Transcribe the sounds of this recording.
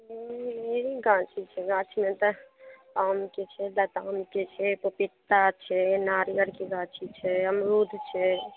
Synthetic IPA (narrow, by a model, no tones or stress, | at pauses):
meɾiɡãt͡ʃʰit͡ʃʰɛɡãt͡ʃʰmet̪əpamket͡ʃʰɛd̪ət̪amket͡ʃʰɛpopit̪ːat͡ʃʰɛnaɾjəɾkeɡãt͡ʃʰit͡ʃʰɛəmɾud̪ʱt͡ʃʰɛ